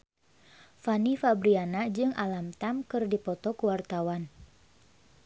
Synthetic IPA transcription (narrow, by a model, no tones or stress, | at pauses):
fanifabɾianad͡ʒɨŋʔalamt̪amkɨrdipɔt̪ɔkuwart̪awan